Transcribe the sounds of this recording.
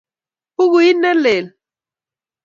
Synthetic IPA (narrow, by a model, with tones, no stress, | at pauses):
u˦ɣ̬u˨ji˦nɛ˦lɛ˨la